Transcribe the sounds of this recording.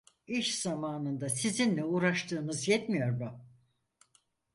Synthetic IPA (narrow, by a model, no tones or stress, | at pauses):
iʃz̥amaːnɯnd̪asizinlʲɛuːɾaʃt̪ʰɯːnɯzjɛt̪mijo̞ɾmʊ